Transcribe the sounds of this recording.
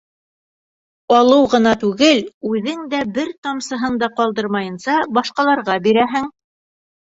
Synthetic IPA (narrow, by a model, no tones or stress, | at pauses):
ɑlˠɤwʁɤ̆nɑt̪ʉɡɘlʉðɘŋd̪æbɘɾt̪ɑmsɤ̆ɦɤnd̪ɑqɑlˠd̪ɤɾmɑjɤ̆nsɑbɑʃqɑlˠɑɾʁɑbiɾæɦɘŋ